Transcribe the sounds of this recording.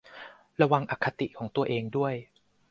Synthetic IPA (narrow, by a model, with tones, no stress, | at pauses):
ɾa˧wa˧ŋʔa˨˩kʰːa˧t̪i˨˩kʰɔː˩˦ŋt̪u˧ɐʔeː˧ŋdu˥˩əj